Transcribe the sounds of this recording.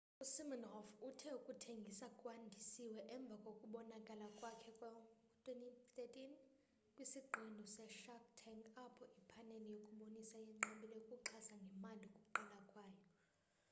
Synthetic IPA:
usimɔnɦɔfutʰɛukʼutʰeŋɡʱisakʼwandʱisiwɛʔɛɱb̪vʱakʼokʼuɓɔnakʼalakʼwakʰɛkʼwa | tʰwentit̪etʼin | kʼwisiɡ͡ǃʱindʱɔsɛʃak̚tʰɛŋɡapʰɔʔipʰanɛlijokʼuɓonisajɛŋ͡ǀaɓilɛkʼuǃʰasaŋɡʱɛmalikʼuǃɛlakʼwaːjɔ

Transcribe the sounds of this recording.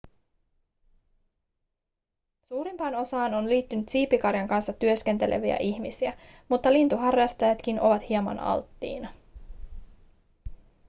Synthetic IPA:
suːɾimpɑːno̞sɑːno̞nliːt̪ːynyt̪siːpikɑrjɑŋkɑnsːɑt̪yøske̞nt̪e̞lʔḛʋiæ̰ʔiçmisiæmut̪ːɑlint̪uɦɑrjɑst̪ɑjɑt̪k̟inʔo̞ʋɑt̪hiɑmɑ̰nɑ̰lt̪ːḭːnɑ

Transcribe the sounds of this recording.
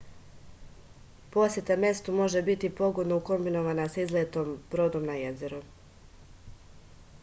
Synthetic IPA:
po̞sje̞t̪ame̞st̪umo̞ʒe̞bit̪ipo̞ɡo̞d̪nouko̞mbino̞ʋanasaizlet̪o̞ːmb̥ɾo̞d̪o̞mnajeze̞ɾu

